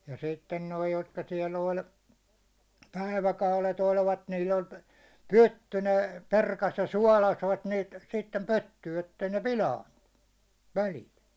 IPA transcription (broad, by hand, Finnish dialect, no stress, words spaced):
jɑ sitːen noi jotkɑ siɛl olʲ pæiʋækɑulet olʋɑt niːl olʲ pytːy ne perkɑs jɑ suɒlɑsʋɑt niːt sitːem pytːyː etːei ne pilɑintun̥ːu̥ ʋælilt